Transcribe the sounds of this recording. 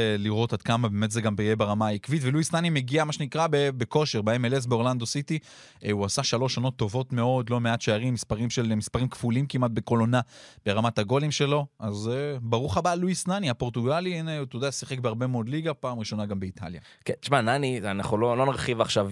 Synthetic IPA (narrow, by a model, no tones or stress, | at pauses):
liʁo̞tad̪kamabeːmet̪zeɡambejebeʁamaaikvitveluisnanime̞ɡiamaʃenikʁabebeko̞ʃeʁbeemeles̬beoland̪o̞sit̪i | uasaʃalo̞ʃano̞t̪ːo̞vo̞t̪me̞o̞d̪lo̞me̞atʃeaʁimːispaʁimʃelmispaʁimkfulimkimat̪̚be̞ko̞lo̞nab̥e̞ʁamataɡo̞limʃe̞lo̞azebaʁuχabaluisnaniapo̞ʁt̪uɡalineut̪jod̪easiχek̚beaʁbe̞meod̪liɡapaːmʁiʃo̞naɡambeit̪ʰa̰lja̰ | ket̪i̥ʃmananianaχulolo̞naʁχivaχʃav